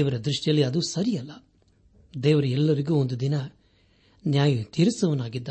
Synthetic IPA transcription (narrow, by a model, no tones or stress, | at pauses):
ʋɐɾɐd̪ɾiʂʈijɐlːiɐd̪usɐɾijɐlːɐ | d̪ɛːʋɐɾɐɛlːɐɾiɡuːond̪ud̪inɐ | njaːjɐt̪iːɾusɐʋɐnaːɡid̪ːa